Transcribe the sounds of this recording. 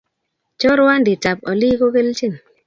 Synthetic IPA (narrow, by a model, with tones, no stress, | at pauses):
t͡ʃɔ˦ɾwa˦ndi˨t͡ʃa˨p̚ɔ˨li˦ko˦ke˦lt͡ʃe˦˨n